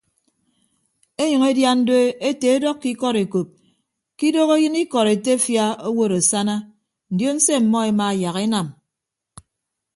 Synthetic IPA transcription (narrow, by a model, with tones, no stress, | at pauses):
e˦ɲʌ˨ŋe˦dja˦n̩˦do˦e˦te˨e˦dɔ˦kːi˦kɔ˦ɾe˨ko˨p̚ | ki˦do˦ɣe˦jɨ˦ni˦kɔ˨ɾe˨te˦fja˦o˦wo˦ɾo˨sa˦na˦ | n̩˨djo˦n̩˦se˦m̩˨mɔ˦e˨ma˨ja˨ɣe˦na˨m